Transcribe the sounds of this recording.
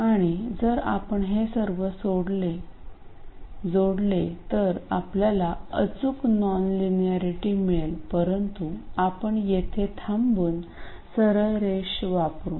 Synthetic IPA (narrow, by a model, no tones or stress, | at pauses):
aɽ̃id͡zəɾa̰pəɳɦesəɾʋəsoɽle | d͡zoɽlet̪əɾapljalaə̰t͡suknɔnlinjaɾiʈimielpəɾənt̪uapəɳjet̪ʰet̪ʰambuːn | səɾəɾeɕʋapɾuːn